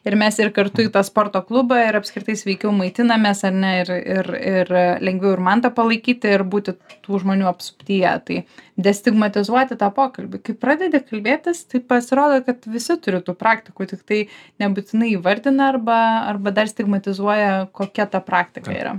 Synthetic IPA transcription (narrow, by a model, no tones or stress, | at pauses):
ɪɾmʲɛsɪrkɐrt̪ʊiːt̪ɐspoːrt̪oːklˠʊbɐɪɾɐpskɾʲɪt̪ɐɪsʲʋʲɛɪkʲɛʊmɐɪt̪ʲɪnɐmʲeːsɐɾʲnʲɛɪrɪrɪrlʲɛŋʲɡʲʋʲɛʊɪɾmɐnt̪ɐpɐlˠɐɪkʲiːt̪ʲɪɪrbuːt̪ʲɪt̪uːʒmoːnʲuːɐpsʊ̥pʲt̪ʲiːjɛ̰t̪ɐɪd̪ʲɛsʲt̪ʲɪɡmɐt̪ʲɪzuɔt̪ʲɪt̪ɑːpoːkɐlʲbʲɪkɐɪpɾɑːd̪ʲɛd̪ʲeːkɐlʲbʲeːt̪ʲɪst̪ɐɪpɐsʲɪɾoːd̪okɐt̪ʋʲɪsʲɪt̪ʊɾʲɪt̪uːpɾɑːkt̪ʲɪkuːt̪ʲɪkt̪ɐɪnʲɛbut̪ʲɪnɐɪiːʋɐɾʲd̪ʲɪnɐɐrbɐɐrbɐd̪ɐrsʲt̪ʲɪɡmɐt̪ʲɪzuɔjɛkoːkʲɛt̪ɐpɾɑːkt̪ʲɪkɐ̰ḭɾɐ̰